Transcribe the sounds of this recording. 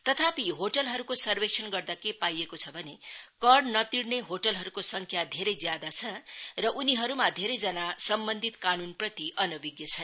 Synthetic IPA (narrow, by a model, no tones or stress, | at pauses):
t̪ʌt̪ʰapiɦoʈʌlɦʌɾukosʌrbeksʰʌnɡʌrd̪akepajekot͡sʰʌbʱʌnekʌrɖnʌt̪iɽneɦoʈʌlɦʌɾukosʌŋkʰjad̪ʱeɾʌjd͡zjad̪at͡sʰʌrʌʔuniɦʌɾumad̪ʱeɾʌjd͡zʌnasʌmbʌnd̪ʱit̪kanunprʌt̪iʔʌnʌbiɡjʌt͡sʰʌ